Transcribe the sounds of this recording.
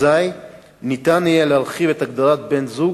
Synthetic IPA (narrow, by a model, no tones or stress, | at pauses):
aj | nit̪anijelealχivet̪aɡd̪aʁat̪be̞nzu